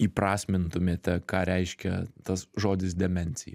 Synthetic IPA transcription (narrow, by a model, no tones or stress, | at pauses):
iːpɾɑːsʲmʲɪnt̪ʊmʲeːt̪ʲɛkɑːɾʲɛɪʃʲkʲɛt̪ɐsʒoːd̪ʲɪs̬d̪ʲɛmʲɛnʲsʲɪjɛ̰